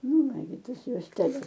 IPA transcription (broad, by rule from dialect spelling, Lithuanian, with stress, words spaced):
ˈnʊ ˈnɑːɡʲɪ ˈtɐs juɔsʲtʲɛˈlʲɛs